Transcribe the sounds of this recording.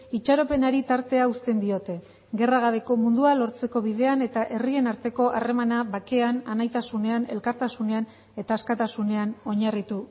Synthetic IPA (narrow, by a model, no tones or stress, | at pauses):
it͡ʃaɾo̞pe̞naɾit̪aɾt̪e̞aust̪e̞nd̪io̞t̪e̞ | ɣe̞raɣ̞aβe̞ko̞mund̪ualo̞ɾt͡se̞ko̞βið̞e̞ane̞t̪aʔe̞rie̞naɾt̪e̞ko̞ʔare̞manaβake̞ananajt̪asune̞ane̞lkaɾt̪asune̞an | e̞t̪aːskat̪asune̞ano̞ɲarit̪u